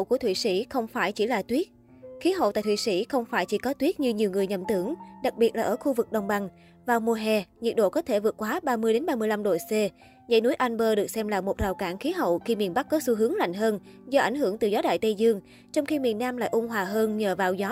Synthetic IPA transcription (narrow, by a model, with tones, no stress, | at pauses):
wku˧˩ət̪ʰwḭ˧˨˩sḭ˧˥xə˧wŋ͡mfaː˧˩jt͡ɕi˧˩laː˨˩t̪wi˦˥ət̚ | xi˨˦ɦə̰˧˨wt̪a̰ː˧˨jt̪wi˧˨sḭ˧˩xə˧wŋ͡mfaː˧˩jt͡ɕi˧˩kɔ˨˦t̪wi˦˥t̚ɲɨ˧ɲi˨˩əwŋɨ˨˩əjɲə˧˨˩mt̪ɨ˧˩əŋɗa˨˩k̚ɓi˨˩ət̚laː˨˩ʔəː˧˩xu˧vɨ˨˩k̚ɗə˨˩wŋ͡mɓa˧˩ŋ | vaː˨˩wmu˧əɦɛ˨˩ɲi˨˩ət̚ɗo̰˧˨kɔ˨˦t̪ʰe˧˩vɨ˨˩ət̚kwaː˨˦ɓaː˧mɨ˧əjɗe˨˦nɓaː˧mɨ˧jla˧mɗo̰˧˨se˧ | zə̰˧˥jnu˨˦jʔa˧nɓəː˧ɗɨ˨˩ək̚sɛ˧mlaː˨˩mo˨˩t̚zaː˨˩wkaː˧˩nxi˨˦ɦə̰˧˨wxi˧mi˨˩ənɓa˦˥k̚kɔ˨˦su˧ɦɨ˨˦əŋla̰˧˨jŋɦəː˧n | zɔ˧ʔa̰˧˩ŋɦɨ˧˩əŋt̪ɨ˨˩zɔ˨˦ɗa̰ː˧˨jt̪ə˧jzɨ˧əŋ | t͡ɕɔ˧wŋ͡mxi˧mi˨˩ənːaː˧mla̰ː˧˨jʔʊ˧ŋ͡mɦwaː˨˩ɦəː˧nɲəː˨˩vaː˨˩wzɔ˨˦